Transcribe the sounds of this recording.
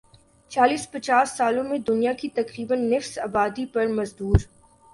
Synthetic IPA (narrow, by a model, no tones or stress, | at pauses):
t͡ʃaːliːspɐt͡ʃaːsːaːlõmẽd̪ʊnijakit̪ɐkɾiːbənːɪfsaːbaːd̪ipɐɾmɐzd̪uːɾ